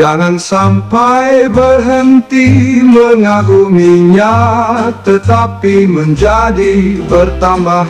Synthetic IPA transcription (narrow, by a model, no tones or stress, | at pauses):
d͡ʒaŋansampajbərɦənt̪iməŋaɡumiɲat̪ət̪apiməɲd͡ʒadibərt̪amba